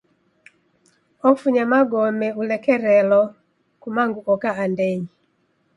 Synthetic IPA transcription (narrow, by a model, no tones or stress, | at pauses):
ɔkfuɲamaɡɔmɛulɛkɛɾɛlɔ | kumaŋɡuʔɔkaandeɲ